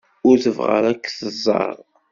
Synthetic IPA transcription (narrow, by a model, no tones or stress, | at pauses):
ʊɾθəvʁə̰ɾækːθəzˤːɑ̰ɾˤ